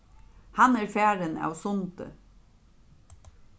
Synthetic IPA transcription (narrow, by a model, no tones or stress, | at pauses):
hɑnæːɾfæːɾənɑ̰ʋsʊnt̪ə̰